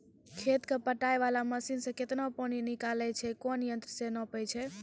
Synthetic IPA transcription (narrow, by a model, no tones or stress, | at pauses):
kʰet̪kepəʈajʋalaməsinsə̃ket̪napəninikalɛt͡ʃʰɛkɔnjənt̪ɾəsenəpəjt͡ʃʰɛ